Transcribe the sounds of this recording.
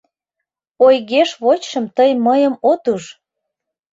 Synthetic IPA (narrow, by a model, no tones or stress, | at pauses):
ojɣeʃβot͡ɕʃəmt̪əjməjəmot̪uʃ